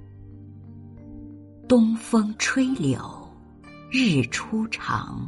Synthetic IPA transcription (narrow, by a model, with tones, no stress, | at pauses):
t̪ʊ˥ŋfɤ˥ŋʈ͡ʂʰwe˥ɪljo˨˩˦ʊ | ɻɻ̩˥˩ʈ͡ʂʰu˥ʈ͡ʂʰɑ̰˨˩˦ŋ